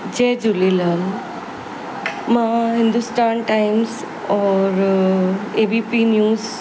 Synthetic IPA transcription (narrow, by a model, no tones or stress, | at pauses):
d͡ʑed͡ʒuliləŋ | mãɦɪ̃nd̪usʈaːnʈajms | ɔɾ | ebipinjuːz